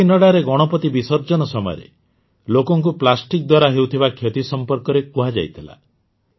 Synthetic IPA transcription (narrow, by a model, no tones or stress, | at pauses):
inɔɽaɾeɡɔɽ̃ɔpɔt̪ibisɔɾd͡ʒɔnɔsɔmɔ̰jɔ̰ɾḛ | lokɔŋk̬uplasʈik̚d̪waɾaɦewt̪ʰibakʰjet̪isɔmpɔɾkɔɾekuɦad͡ʒa̰jt̪ʰila̰